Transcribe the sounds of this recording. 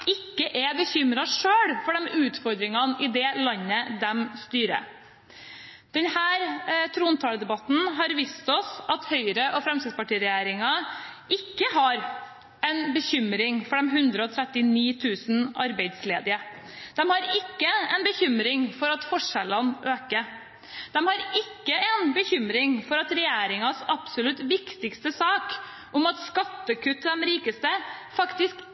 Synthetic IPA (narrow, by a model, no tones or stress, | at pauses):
ɪkːəʔɛbəçʏmɾɑʂøːɽfɔɖɛmʉːt̪fɔɾd̪ɾɪŋɑnɪd̪ɛːlɑnːəd̪ɛmst̪yːɾə̰ | d̪̥ɛnhæːɾt̪ʰɾuːnt̪ʰɑːləd̪ɛbɑt̪n̩ɦɑɾʋiːst̪ɔsɑt̪hœʏɾəʔɔfɾɛmst̪ɪɡ̪spɑʈiːɾɛjæːɾɪŋɑ | ɪkːəɦɑɾ | ɛnbəçʏmɾɪŋfɔɖɛmɦʉnd̪ɾəɔt̪ʰɾɛt̪ːɪniːt̪ʰʉːsn̩ɑ̰ɾbæɪd̪sleːd̪ɪə | d̪̥ɛmhɑɾɪkːəɛnbəçʏmɾɪŋfɔɾɑt̪fɔʂɛlənʔøːkə | d̪̥ɛmhɑɾɪkːəɛnbəçʏmɾɪŋfɔɾɑt̪ɾɛjæːɾɪŋɑsɑpsʊlʉt̪ʋɪkt̪ɪkst̪əsɑːk | ʔʊmɑt̪skɑt̪ːəkʰʉt̪ːd̪ɛmɾiːkəst̪əfɑkt̪ɪsk